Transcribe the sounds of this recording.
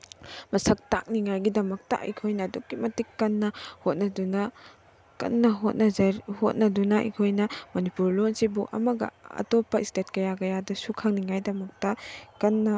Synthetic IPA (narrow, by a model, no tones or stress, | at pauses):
mɐsɐk̚tak̚niŋajɡidɐmɐk̚tɐ̰ʔɐ̰jkʰojnɐːdukːimɐtikːɐnːɐhot̚nɐdunɐ | kɐ̰nːɐɦot̚nɐzɐhot̚nɐdunɐɐ̰jkʰojnɐmɐnipuɾlonsibuʔɐ̰mɐɡɐ̰ɐ̰topɐistet̚kɐjakɐjadɐsukʰaŋniŋajdɐmɐk̚tɐkɐnːɐ